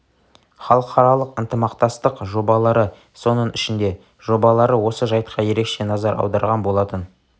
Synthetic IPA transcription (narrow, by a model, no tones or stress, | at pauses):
χɑlˠəqʰɑɾɑlˠəqənt̪əmɑqt̪ɑst̪əqʒo̞bɑlˠɑɾə | so̞nəɴɪʃɪnd̪e̞ | ʒ̥o̞bɑlˠɑɾəwo̞səʒɑjt̪qʰɑje̞ɾe̞kʃe̞nɑzɑɾɑ̰wd̪ɑɾʁɑnbo̞lˠɑt̪ən